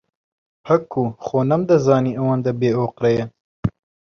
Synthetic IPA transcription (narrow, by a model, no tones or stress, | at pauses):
pʰɐkʰːuxoːnɐmd̪ɐzɑːniɐwɑːnd̪ɐbeːoːqɾɐjɐ